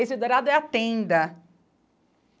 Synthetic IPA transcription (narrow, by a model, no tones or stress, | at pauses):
esɪd̪oɾad̪ʊɛat̪ẽnd̪ɐ